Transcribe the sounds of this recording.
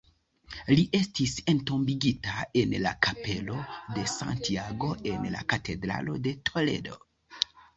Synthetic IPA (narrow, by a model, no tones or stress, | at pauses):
liʔe̞stise̞nto̞mbiɡitae̞nla̰kʰape̞lo̞de̞sa̰ntiaɡo̞e̞nla̰katʰe̞dɾa̰lo̞̰de̞tʰo̞le̞̰do